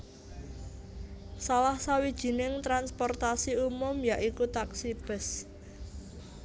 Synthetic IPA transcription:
salahsawid̥ʒ̥i̤nɪŋt̪ɾanspɔrt̪asiumʊmjaʔikut̪aksib̥ɛ̤s

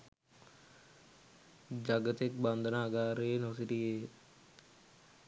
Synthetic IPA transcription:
d͡ʒaɡət̪ek̚band̪ʱənaːɡaːɾenosiɾije

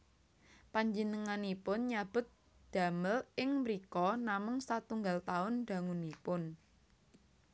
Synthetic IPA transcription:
paɲd͡ʒinəŋanipʊnɲab̥ʊ̤t̪̚ | d̪̥a̤məlɪŋmɾikɔnamʊŋsat̪uŋɡalt̪aʊnd̪̥a̤ŋunipʊn

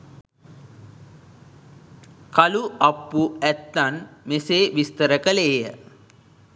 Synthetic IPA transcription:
kaluapːuæt̪ːanmeseːʋist̪əɾəkəleːjə

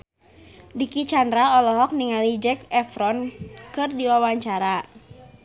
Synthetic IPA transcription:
dikit͡ʃandɾaɔlɔɦɔk̚niŋalid͡ʒɛkɛfɾɔnkɨrdiwawaɲt͡ʃaɾa

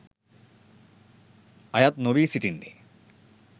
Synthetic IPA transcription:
ɐjat̪noʋiːsiʈinːḛ

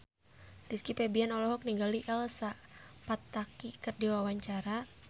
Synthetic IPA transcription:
diskipɛbianɔlɔɦɔk̚niŋɡaliʔɛlsapat̪ːakikɨrdiwawaɲt͡ʃaɾa

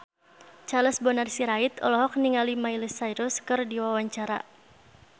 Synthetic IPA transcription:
t͡ʃaləsbɔnarsiɾait̪ɔ̰lɔɦɔk̚niŋalimailəsaiɾʊskɨrdiwawaɲt͡ʃaɾa̰

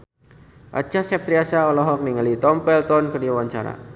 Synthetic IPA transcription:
ʔa̰t͡ʃasɛp̚t̪ɾiasaɔlɔɦɔk̚niŋalit̪ɔmpɛlt̪ɔnkədiawaɲt͡ʃa̰ɾa̰

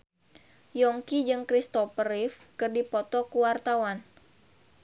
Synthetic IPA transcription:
jɔŋkid͡ʒɨŋkɾist̪ɔpəɾifkɨrdipɔt̪ɔkuwart̪awan

